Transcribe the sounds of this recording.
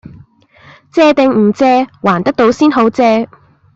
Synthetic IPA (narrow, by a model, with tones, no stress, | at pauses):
t͡sɛː˧t̪ɪ˨˧ŋm̩˨˩t͡sɛː˧waː˨˩nt̪ɐ˥k̚t̪o˨˥wsiː˥nɦo˨˥wt͡sɛː˧